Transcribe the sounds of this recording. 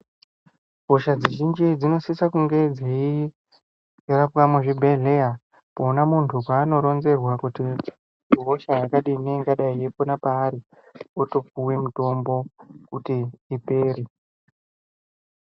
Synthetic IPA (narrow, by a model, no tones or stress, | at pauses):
ɡʱoʃad͡ziʒind͡ʒid͡zino̞sisakuŋɡe̞d͡zei | rapwameʐebʱeɮeja | poːnamuntʰukaːno̞ɾo̞nze̞rwakuti | rɦoʃajakaɗineiŋɡaɗaieponapaːɾi | oto̞p͡fuwemuto̞mbo̞kutiːpe̞ːɾe